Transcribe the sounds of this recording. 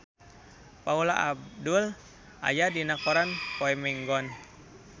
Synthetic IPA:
paulaʔabdul | ʔa̰jadinakɔɾanpoɛmɛŋɡɔn

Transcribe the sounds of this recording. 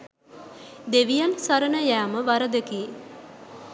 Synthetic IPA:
d̪eʋijansaɾənəjaːməʋaɾəd̪əkeː

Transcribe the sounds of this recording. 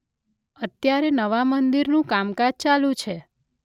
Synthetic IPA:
ət̪jaɾenəʋamənd̪iɾnũkamkad͡ʒt͡ʃalũt͡ʃʰe

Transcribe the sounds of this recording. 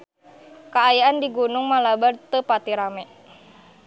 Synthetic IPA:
kaːjaandiɡunuŋmalabart̪əpat̪iɾamɛ

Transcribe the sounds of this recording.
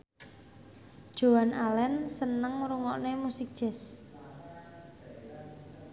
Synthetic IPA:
d̥ʒ̥o̤wanʔalɛnsənəŋmɾuŋɔʔnemusik̚d̥ʒ̥ɛs

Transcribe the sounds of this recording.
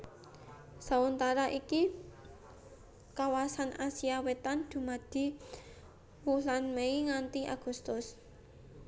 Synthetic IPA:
sawunt̪aɾaʔiki | kawasanʔasiawet̪and̪̥ṳmad̪̥i̤ | wulanmeiŋant̪iʔa̰ɡ̥ṳst̪ʊs

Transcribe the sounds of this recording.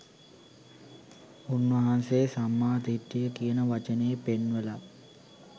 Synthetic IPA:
unʋɐɦansesamːaːd̪ʱiʈːijəkiənəʋat͡ʃənejːpenʋela

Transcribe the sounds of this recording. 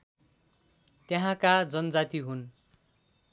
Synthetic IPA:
t̪jeɦãkad͡zʌnʌd͡zat̪iɦun

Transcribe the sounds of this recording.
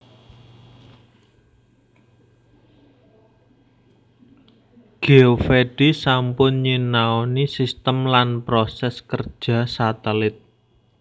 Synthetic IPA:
ɡ̥e̤ofeɖ̥isampʊnɲinaonisist̪əmlanpɾosɛskər̥ʒ̥ä̤sat̪əlɪt̪̚

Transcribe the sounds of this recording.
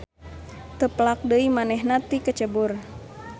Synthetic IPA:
t̪əplak̚dəimanɛɦnat̪ikət͡ʃəbur

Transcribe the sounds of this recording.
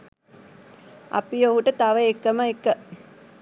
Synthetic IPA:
a̰pijoɦuʈət̪aʋəekːəməekːə

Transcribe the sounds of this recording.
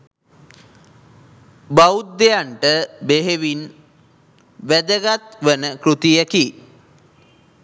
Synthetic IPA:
baud̪ːejaɳʈəbeɦeʋin | ʋæd̪əɡat̪ʋənəkɾut̪ijəki

